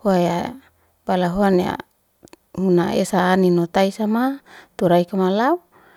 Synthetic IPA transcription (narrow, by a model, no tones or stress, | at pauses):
hoaja | balaɦoanja̰ | hunaesaːninot̪aisamat̪uɾaikamalau